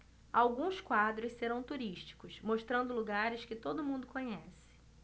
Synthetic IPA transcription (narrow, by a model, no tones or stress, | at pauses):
awɡũskwad̪ɾʊsseɾɐ̃w̃t̪uɾiʃt͡ʃi̥kʊsmoʃt̪ɾɐ̃nd̪ʊluɡaɾɪskɪt̪od̪ʊmũnd̪ʊkõɲɛsɪ̥